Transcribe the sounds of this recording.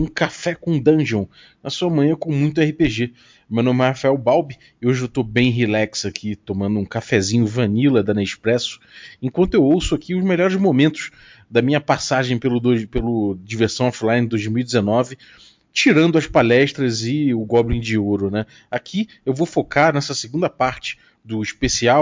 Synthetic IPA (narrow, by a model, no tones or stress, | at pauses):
ũkafɛkõw̃d̪ɐ̃ʒõ | nɐsuɐmɐ̃ɲ̃ɐ̃kõmũj̃t̪̬ʊɛhipeʒe | mewnõmɪhafaɛwbawbi | oʒet̪obẽj̃ɦilɛksakʰit̪omɐ̃nd̪ʊũkafɛzĩɲʊvɐ̃nilɐd̪ɐ̃neʃpɾɛsʊ̥ẽkwɐ̃nt̪ʊewowsʊakʰiʊzmeʎɔɾɪzmomẽnt̪ʊ̥s | d̪ɐmĩɲɐpasaʒẽj̃pelʊd̪opelʊd͡ʒiveɾsɐ̃w̃ɔflaj̃nd̪ojzmiwid͡ʒ̪ɪzenɔvɪ | t͡ʃiɾɐ̃nd̪ʊɐspalɛʃt̪ɾɐzɪʊɡɔblĩd͡ʒɪoɾʊnɛ | akʰi | ewvofokʰaɾnɛsɐseɡũnd̪ɐpaɾt͡ʃɪ̥ | d̪ʊiʃpesiaw